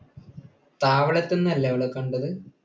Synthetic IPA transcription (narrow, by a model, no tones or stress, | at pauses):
t̪aːʋɐɭɐt̪ːenːɐlːɐɐʋɐɭekːɐɳɖɐðɨ